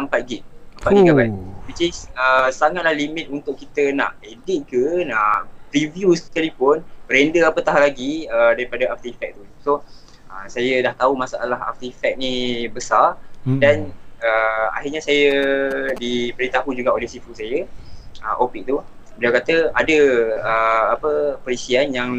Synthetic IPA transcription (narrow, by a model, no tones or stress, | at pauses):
əmpat̪̚ɡiʔəmpat̪̚ɡiɡabawit͡ʃisəsaŋat̪̚lahlimɪ̃t̪unt̪ʊʔkːit̪əna̰ʔedit̪̚kənaʔpɾivjuskalipʊnɾendəapət̪aɦlaɡiədaɾipadaaf̚t̪ifɛk̚t̪uso | əsajədaht̪aumãsaa̰laɦa̰f̚t̪ifɛk̚nibəsardanəa̰ɦɪrɲasajədipəɾit̪aɦud͡ʒuɡaʔolɛhsifusajəʔə̰ʔopik̚t̪u | biliawkat̪əadəəapəpəɾisianjaŋ